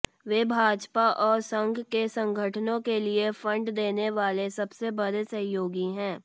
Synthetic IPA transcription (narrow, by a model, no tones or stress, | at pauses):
ʋeːbʱaːd͡ʒpaʔɔːɾsə̃ŋɡʱkesɐ̃ŋɡʱəʈʰnõkeliefɐ̃ɳɖd̪eːneʋaːlesɐbsebɐd̪sɐ̃joːɡiɦɛ̃ː